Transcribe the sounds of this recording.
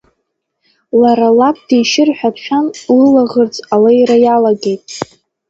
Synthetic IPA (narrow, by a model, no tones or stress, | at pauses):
laɾalap̚ʰd̥ejʃɪrħʷᶣapʰχʲᶣanlɨlaʁərt͡sʼalajrajalaɡe̞jtʼ